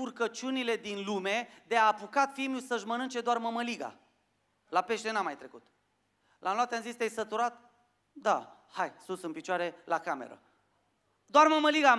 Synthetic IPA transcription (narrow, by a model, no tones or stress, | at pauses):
urkət͡ʃunile̞d̪inlume̞d̪eaːpukat̪fimjusəʃmənɨnt͡ʃe̞d̪oarməməliɡa̰ | lape̞ʃt̪e̞namajt̪ɾe̞kut̪ | lʔanloat̪eamzist̪ejsət̪uɾat̪̚ | d̪a̰ | hajsunsɨnpit͡ʃoaɾe̞lakame̞̰ɾə̰ | d̪oarməməliɡa